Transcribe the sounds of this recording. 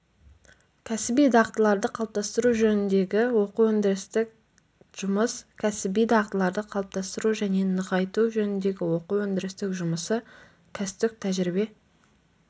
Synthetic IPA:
kʲʰæsɪbijd̪ɑʁt̪əlˠɑɾd̪əqʰɑlˠəp̚t̪ʰɑst̪əɾuʒɵnɪnd̪e̞ɡʲɪwo̞quwɵnd̪ɪɾɪst̪ɪk̚ | ʒ̥ʊməskʲʰæsɪbijd̪ɑʁt̪əlˠɑɾd̪əqʰɑlˠp̚t̪ɑst̪əɾuʒæne̞nəʁɑjt̪uʒɵnɪnd̪e̞ɡʲɪwo̞quwɵnd̪ɪɾɪst̪ɪkʒʊməsə | kʲʰæsɪ̥t̪ɪk̚t̪ʰæʒɾibe̞

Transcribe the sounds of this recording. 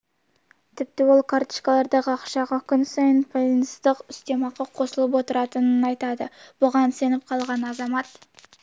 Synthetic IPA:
t̪ʰɪp̚t̪ɪwo̞lˠkʰaɾt̪i̥ʃkɑlˠɑɾd̪ɑʁəɑqʃɑʁɑkʲʰʏnsɑjənpʰojnzd̪əqʏst̪e̞mɑʁɑqʰo̞səlˠəp̬wo̞t̪əɾɑt̪ənənɑjt̪ɑd̪əb̥ʊʁɑnse̞nɪp̚qʰɑlˠʁɑnɑzɑmɑt̪

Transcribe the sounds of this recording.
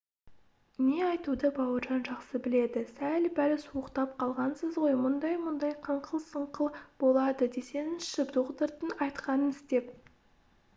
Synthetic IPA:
neɑjt̪ud̪əbɑwəɾʒɑnʒɑqsəbɪle̞d̪ɪsælbæɾɪsuəqt̪ɑp̚qʰɑlˠʁɑnsəzʁojmʊnd̪ɑjmʊnd̪ɑjqʰəɴqʰəlˠsəɴqəlˠb̥o̞lˠɑd̪əd̪e̞se̞nɪnʃɪpd̪oʁd̪əɾt̪ənɑjt̪qɑnənɪst̪e̞p̚

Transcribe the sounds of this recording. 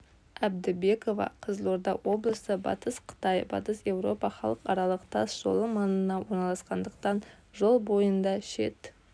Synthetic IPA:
æbd̪ɪbe̞ko̞vɑ̰qʰəzəlˠo̞ɾd̪ɑwo̞blˠəsəbɑ̰t̪əsqʰə̥t̪ɑjbɑ̰t̪əsje̞wɾo̞pɑχɑlˠəqɑɾɑlˠəqt̪ʰɑsʒ̥o̞̰lˠəmɑnənɑwo̞ɾnɑlˠɑsqɑnd̪əqt̪ɑn | ʒo̞lˠbo̞jənd̪ɑʃe̞̰t̪

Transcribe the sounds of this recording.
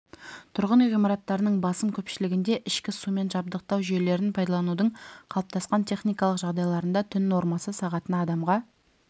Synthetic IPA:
t̪ʰʊɾʁənijʁijmɑɾɑt̪ːɑɾənəɴbɑsəmkʲʰɵpʃɪlɪɡʲɪnd̪e̞ʔɪʃkʲɪsume̞nʒɑb̚d̪əq̚t̪ɑwʒele̞ɾɪnpʰɑjd̪ɑlˠɑnud̪əɴqʰɑlˠəp̚t̪ʰɑsqɑnt̪ʰe̞χnijkɑlˠəqʒɑʁd̪ɑjlˠɑɾənd̪ɑt̪ʰʏnːo̞ɾmɑsəsɑʁɑt̪ənɑd̪ɑmʁɑ

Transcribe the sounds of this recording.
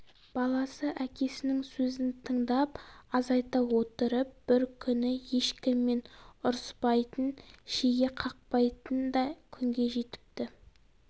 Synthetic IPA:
b̥ɑlˠɑsəʔækʲe̞sɪnɪŋsɵzɪnt̪ʰəɴd̪ɑpɑzɑjt̪ɑwo̞t̪əɾəp̚b̥ɪɾkʲʰʏnɪje̞ʃkʲɪmːe̞nʊɾspɑjt̪ənʃeɡʲe̞qʰɑq̚pɑjt̪ənd̪ɑkʲʰʏŋɡʲe̞ʒe̞t̪ɪ̥p̚t̪ɪ

